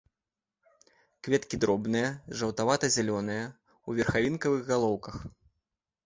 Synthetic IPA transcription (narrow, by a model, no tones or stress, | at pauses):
kvʲɛt̪kʲid̪ɾɔbnɨjɐʐɐwt̪avat̪ɐzʲɛlʲɔnɨjɐ | uvʲɛrxavʲinkɐvɨɣːalˠɔwkɐx